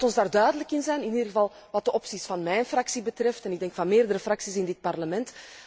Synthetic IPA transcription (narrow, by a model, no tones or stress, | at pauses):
tɔnzdaːrdœːɥdələkɪnzɛjnɪniːdrɣəvɑlˠ | ʋɑt̚dəʔɔpsisfɑnmɛjnfrɑksibətrɛftɛnɪɡ̚dɛŋkfɑnmeːrdəɾəfrɑksisɪndɪt̚pɑrləmɛnt